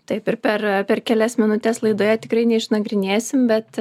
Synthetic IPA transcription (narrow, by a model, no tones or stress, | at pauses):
t̪ɐɪpɪɾpʲɛrpʲɛrkʲɛlʲɛsmʲɪnʊt̪ʲɛslˠɐɪd̪oːjɛt̪ʲɪkɾɐɪnʲɛɪʃnɐɡɾʲɪnʲeːsʲɪmbʲɛt̪